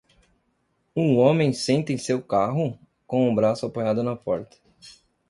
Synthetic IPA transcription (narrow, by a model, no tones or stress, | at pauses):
ũõmẽj̃sẽnt̪ẽj̃sewkaɦʊ | kõw̃ũbɾasʊapojad̪ʊnɐpɔɾt̪ɐ̥